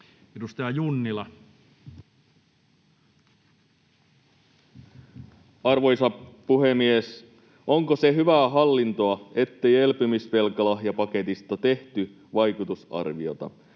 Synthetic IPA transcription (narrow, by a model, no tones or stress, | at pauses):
edust̪ɑjɑjunːilɑ | ɑrʋo̞jsɑpuɦe̞mies | ʔo̞ŋkose̞ɦyʋæːɦɑlːint̪o̞ɑe̞t̪ːe̞je̞lpymisʋe̞lkɑlɑɦjɑpɑke̞t̪ist̪ɑt̪e̞ht̪y | ʋɑjkut̪usɑ̰rʋio̞̰t̪ɑ̰